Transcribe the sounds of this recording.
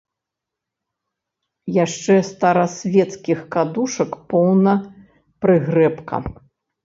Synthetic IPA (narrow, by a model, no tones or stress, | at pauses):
jaʂt͡ʂɛst̪ɐɾɐsʲvʲɛt̪skʲixkad̪uʂɐkpɔwnɐ | pɾɨɣɾɛpkɐ̰